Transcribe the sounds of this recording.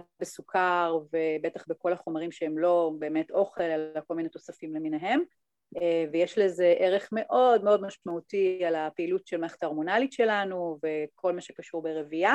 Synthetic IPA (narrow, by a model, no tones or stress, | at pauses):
besukaʁvebetaχbeko̞laχo̞maʁimʃeemlo̞be̞ːmetʰo̞χe̞lalako̞lmineto̞safimlemineɦe̞m | evejeʃleze̞ʔeʁe̞χme̞ʔo̞dme̞odmaʃmautialapeilutʃelmaχḁt̪aʁmonalitʃe̞lanuve̞kʰo̞lmaʃekaʃuʁbeʁevia